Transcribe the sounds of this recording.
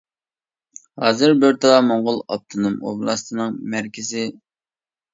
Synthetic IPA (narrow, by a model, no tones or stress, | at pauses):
hɑ̰ːzɨɾbɪɾt̪ʰɑlˠɑmoɴʁʊlˠɑ̰p̚t̪ʰɨnumo̰blˠɑst̪ʰɨnɨŋmæɾkʲʰɪzɪ